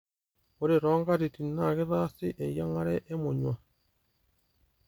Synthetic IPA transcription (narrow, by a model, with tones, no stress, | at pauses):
u˨ɾi˨ɾo˦ŋɡa˦ɾi˨ti˨na˨ɣi˦ɾa˦si˦ʔe˨ja˦ŋa˦ɾe˦ʔe˦mu˨ɲwa˨